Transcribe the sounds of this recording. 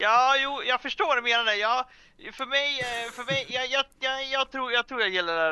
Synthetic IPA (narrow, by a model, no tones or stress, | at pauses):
jɑːjuːjɑɡfœʂʈoːdɛmeːnaɖɛjɑː | fœɾmɛjfœɾmɛjjɑjɑjɑjɑːt̪ʰɾuːɾjɑːt̪ʰɾuːɾjɑjɪlːəɖɛ